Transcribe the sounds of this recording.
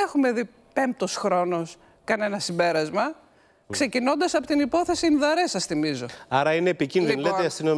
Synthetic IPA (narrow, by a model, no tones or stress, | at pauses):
exume̞ði | pe̞mp̚t̪o̞sxɾo̞no̞s | kɐne̞nɐsimbe̞ɾɐzmɐ | kse̞cino̞nd̪ɐsɐpo̞t̪inipo̞θesinðɐɾe̞sɐsθimizo̞ɐɾɐineːpicinðinleeɐst̪ino